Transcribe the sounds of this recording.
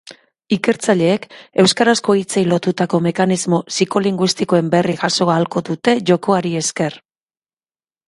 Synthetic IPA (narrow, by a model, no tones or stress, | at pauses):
ike̞ɾt͡saʎe̞ːke̞wskaɾasko̞it͡sejlo̞t̪ut̪ako̞me̞kanizmo̞siko̞liŋɡwist̪iko̞e̞mbe̞riɣaso̞aːlko̞ðut̪e̞ʝo̞ko̞aɾie̞ske̞r